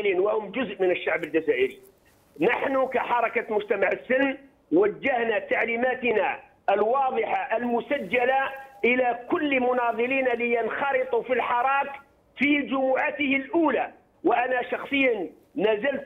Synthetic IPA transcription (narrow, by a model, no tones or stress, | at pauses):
liːnwahʊmd͡ʒʊzʔmənəʃːaʕbəld͡ʒæzaːʔəɾi | naħnʊkaħɑɾˤɑkamʊd͡ʒt̪amaʕəsːɪlː | wæd͡ʒːahnat̪aʕlimæːt̪na | əlwɑːd̪ˤɨħaʔəlmʊsæd͡ʒːalaʔəlakʊlːmʊnɑðˤɨliːnalɪjənxɑɾɨt̪ˤufilħɑɾˤɑːk | fid͡ʒʊmuːʕat̪əhɪlʔuːla | waʔanaʃɑxsˤəjːanː | æzəlt̪